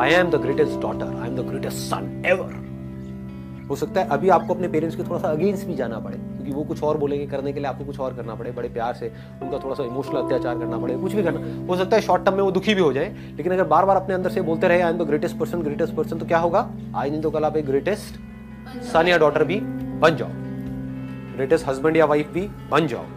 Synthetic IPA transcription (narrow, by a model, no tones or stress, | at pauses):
aːjɛ̃md̪əɡɾeːʈesʈɖɔ̰ːʈə̰ɾa̰ːɪɛ̃md̪əɡɾeːʈesʈsɐ̰̃nɛʋə̰ɾ | ɦoːsɐk̚t̪aɦɛʔɐbʱiaːp̚koɐpnepeːɾə̃ɳʈskot̪ʰoːɽasaɐɡẽːnsʈbʱid͡ʒaːnapɐɽḛːkʲjõːkiʋokʊt͡ʃʰɔːɾboːlẽːŋɡekɐɾnekelieaːp̚kokʊt͡ʃʰɔːɾkɐɾnapɐɽebɐɽepjaːɾse | ʊnkat̪ʰoːɽasaɪmoːʃnəlɐt̪jaːt͡ʃaːɾkɐɾnapɐɽekʊt͡ʃʰbʱikɐɾnaɦoːsɐk̚t̪aɦɛʃɔːʈːəmːẽʋod̪ʊkʰibʱiɦod͡ʒaːe | leːkɪnɐɡəɾbaːɾbaːɾɐpneɐ̃nd̪əɾseboːlt̪eɾɐɦeaːẽnt̪oɡɾeːʈəsʈ̚pɐɾsənɡɾeːʈəsʈpɐɾsənt̪okjaːɦoːɡa | a̰ːd͡ʒnĩt̪̬okɐlaːpeːɡɾeːʈesʈ | saːnijaɖɔːʈəɾbʱibɐ̃nd͡ʒa̰ːo̰ | ɡɾeːʈəsʈɦɐzbə̃ɳɖjaʋaɪfbʱi | bɐnd͡ʒa̰ːo̰